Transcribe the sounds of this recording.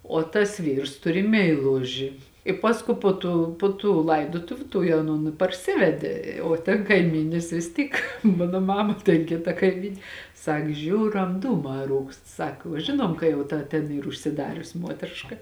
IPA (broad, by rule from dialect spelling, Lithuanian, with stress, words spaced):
oː tɐs ˈʋʲiːrs ˈtʊrʲɪ mʲɛɪˈlˠʊʒʲɪ ɪ ˈpɑːskuː ˈpoː tuː ˈpoː tuː ˈlˠɐɪdoːtʊʋʲʊ ˈtuɔj ɐˈnoːn ɪ pɐrʲˈsʲɪʋʲɛdʲeː oː tʲɛn kɐɪˈmʲiːnʲɪs ʋʲɪs ˈtʲiːk ˈmɑːnoː ˈmɑːmɐ tʲɛn ˈkʲɪtɐ kɐɪˈmʲiːnʲ ˈsɐk ˈʒʲuːrɐm ˈduːmɑː ˈruːkst ˈsɐk uɔ ˈʒʲɪnuɔm kɐ jɛʊ ˈtɐ tʲɛn ˈiːr ʊʃʲsʲɪˈdɑːrʲʊs ˈmuɔtʲrʲɪʃkɐ